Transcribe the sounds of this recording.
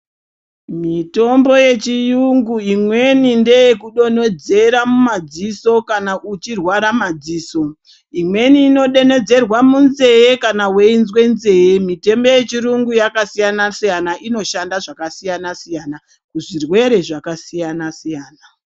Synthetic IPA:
mito̞mbo̞je̞t͡ʃijuŋɡuimwe̞ninde̞jekuɗo̞nod͡ze̞ɾamumad͡ziso̞kanaʔut͡ʃirwaɾamad͡ziːso̞ | imwe̞niːno̞ɗe̞ne̞d͡ze̞rwamunze̞jekanawe̞inzwe̞nze̞jemite̞mbo̞je̞t͡ʃiɾuŋɡujakasijanasijanaʔino̞ʃandaʐakasijanasijana | kuʐirwe̞ɾe̞ʐakasijanasijaːna

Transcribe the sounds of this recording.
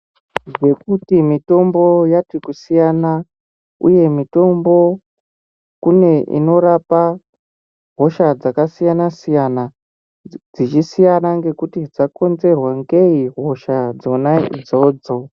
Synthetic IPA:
ʐekutimito̞mbo̞jatikusijana | ṵje̞mito̞mbo̞ | kune̞ʔḭno̞ɾapa | ɦo̞ʃad͡zakasijanasijana | d͡zit͡ʃisijanaŋɡe̞kutid͡zako̞nze̞rwaŋɡe̞iɦo̞ʃad͡zo̞naḭd͡zo̞ːd͡zo

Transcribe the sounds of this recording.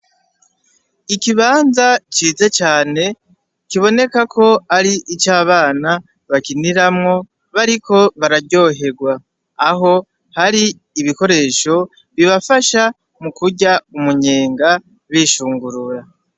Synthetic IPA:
ikiβaːnzat͡ʃiːze̞t͡ʃaːne̞ | kiβo̞ne̞kakʰo̞aɾiʔit͡ʃaːβaːna | βakiniɾamŋo̞ | βaɾikʰo̞βaɾaɟo̞ɦe̞ɡwaː | ɦo̞ | haɾiː | βiko̞ɾe̞ːʃo̞ | βiβafaʃa | mukuɟaumuɲe̞ːŋɡa | βiʃuːŋɡuɾuɾa

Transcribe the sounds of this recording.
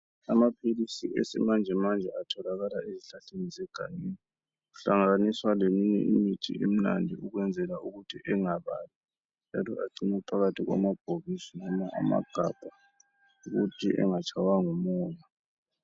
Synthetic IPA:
amapʰilisiɛsɛ̰mand͡ʒʱɛmand͡ʒʱɛatʰɔlaɣalaeziɬaɬenizɛɡ̥ʱa̰neːni | uɬaŋaɣaniswalemiɲɛ̰ʔimitʰḭʔem̩na̰ndʱiuɣwɛnd͡zʱɛlauɣutʰiʔɛŋaβa̰li | nd͡ʒʱa̰lɔʔa̰ǀinɛpʰaɣatʰiɣwa̰mab̥ʱoβisinɔmaʔa̰ma̰ɡ̥ʱab̥ʱa | uɣutʰiʔɛ̰ŋat͡ʃʰʼawaŋɔmɔːja

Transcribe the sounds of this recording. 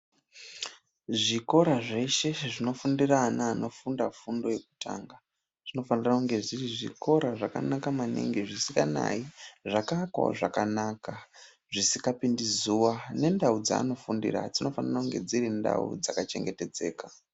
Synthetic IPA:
ʐiko̞ɾaʐe̞ʃe̞ʐino̞fundiranaːno̞fundafundo̞je̞ku̥tʰa̰ŋɡa | ʐ̥ino̞fanirakuŋɡe̞ʐiriʐḭko̞ɾaʐaka̰nakamanḭŋɡiʐisikana̰iʐakakwa̰ʐakanaːka | ʐisikapindizuwane̞ndaud͡za̰ːno̞fundḭra̰d͡zino̞fanirakuŋɡe̞d͡ziɾinda̰ṵd͡zakat͡ʃe̞̰ŋɡe̞te̞d͡ze̞ːka

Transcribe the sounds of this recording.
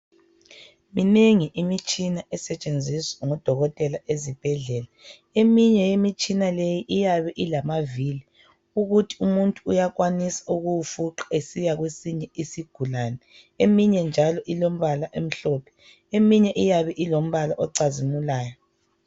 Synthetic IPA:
mineŋiʔimit͡ʃʼinaɛsɛt͡ʃʼend͡zʱisaŋɔd̥ʱɔɣɔtʼɛlaʔezib̥ʱɛɮɛːla | emiɲɛjemit͡ʃʼinalejiʔijaβɛʔilamaviːli | uɣutʰi̥umuntʼuːjaɣwanisḁuɣujufuǁḁesijaɣwesiɲɛisiɡ̥ʱulaːnɛ | emiɲɛnd͡ʒʱalɔʔilom̩βalaʔem̩ɬɔːpʰɛ̥ | emiɲɛʔijaβɛʔilom̩βalaʔɔǀazimulaːjɔ

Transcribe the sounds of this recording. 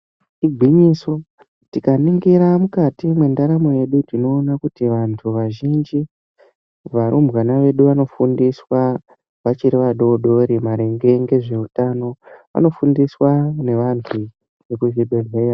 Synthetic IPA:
iɡʱwiɲiso̞ | tikaniŋɡiɾamukatimwe̞ndaɾamo̞je̞ɗutino̞ːnakutiʋantʰuʋaʒind͡ʒi | ʋaɾumbwanaʋe̞ɗuʋano̞fundiswa | ʋat͡ʃiɾiʋaɗo̞ɗo̞ɾimaɾe̞ŋɡe̞ŋɡe̞ʐe̞utano̞ʋa̰no̞fundiswane̞ʋantʰu | ʋekuʒiɗoreja

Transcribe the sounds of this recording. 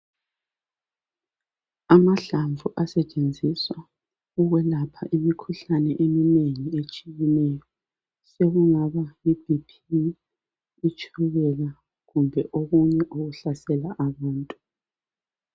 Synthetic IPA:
amaɬaɱvuʔasɛt͡ʃʼend͡zʱiswa | uɣwɛlapʰaʔimikʰuɬanɛʔemineŋiet͡ʃʼijɛnɛjɔ | seɣuŋaβaibipʰi | it͡ʃʰʼuɣɛla | ɣumbʱɛʔoɣuɲɛʔoɣuɬasɛlaʔaβaːntʼu

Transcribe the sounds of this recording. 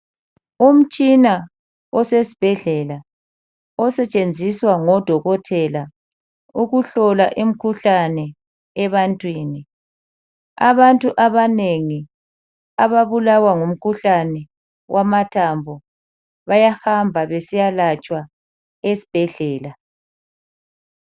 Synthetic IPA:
um̩t͡ʃʼina | ɔsesi̥b̥ʱɛɮɛla | ɔsɛt͡ʃʼend͡zʱiswaŋɔd̥ʱɔɣɔtʰɛla | uɣuɬɔlaʔim̩kʰuɬanɛː | βantʼwiːni | a̰βantʼuʔaβaneŋi | aβaβulawaŋum̩kʰuɬanɛ | wʔamatʰambʱɔ | βajahambʱaβesijalat͡ʃʼwa | esi̥b̥ʱɛɮɛːla

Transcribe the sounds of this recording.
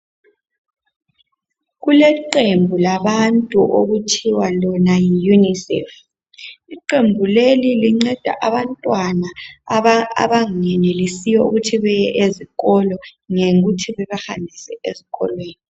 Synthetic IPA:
ɣulɛǃembʱulaβantʼṵʔoɣutʰiwalɔnajijunisɛ̰f | iǃembʱuleliliŋ͡ǀɛd̥ʱa̰ʔaβantʼwana | a̰βaŋɛnelisijɛṵɣutʰiβɛjɛʔeziɣɔlɔŋeɣutʰiβɛβaxa̰nbʱisɛʔeziɣɔ̰lweːni

